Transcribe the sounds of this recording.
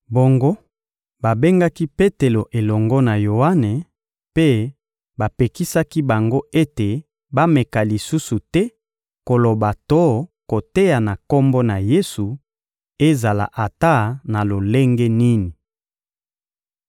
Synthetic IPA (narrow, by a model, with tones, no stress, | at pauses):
bo˨ŋɡo˦ | ba˨be˦ŋɡa˦ki˦pe˦te˨lo˨ʔe˨lɔ˨ŋɡɔ˦na˨jo˨a˦ne˨ | pe˦ | ba˨pe˨ki˦sa˦ki˦ba˨ŋɡo˦e˦te˨ | ba˦me˨ka˨li˨su˦su˨tɛ˦ | ko˨lo˨ba˨tɔ˦ko˨te˦ja˨na˨ko˦mbɔ˦na˨je˦su˨ | e˦za˨la̰˨ʔa˨ta˦na˨lo˨le˦ŋɡɛ˦ni˦ni˨